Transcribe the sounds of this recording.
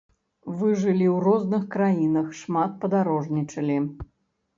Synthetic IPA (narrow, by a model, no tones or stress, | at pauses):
vɨʐɨlʲiwrɔznɨxkɾajinɐxʂmat̪̚pɐd̪aɾɔʐnʲit͡ʂɐlʲi